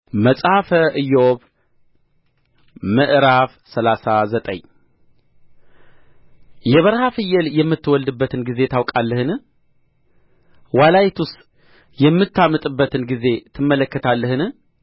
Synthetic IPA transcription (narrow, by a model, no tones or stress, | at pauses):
məsʼhafəʔɨjːooβ | məʔɾaf | səlasazət̪ʼə̰ɲ | jɛβəɾhafɨjːɛljɛmːɨt̪ːwɔld̪ɨbːət̪ʰɨnɡize̞t̪ʰawkʼalːəhɨn | walajit̪ʰust̪ | jɛmːɨt̪ʰːamːɨt̪ʼɨbːət̪ʰɨnɡize̞t̪ʰɨmːələkːət̪ʰalːəhɨnɨ